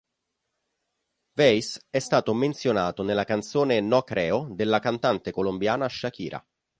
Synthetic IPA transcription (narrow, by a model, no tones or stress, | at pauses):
vɛjsɛst̪aːt̪oment̪sjonaːt̪onelːakant̪soːnenɔkɾʔɛːod̪elːakant̪ant̪ekolombjaːnaʃːak̟ḭːɾʔa̰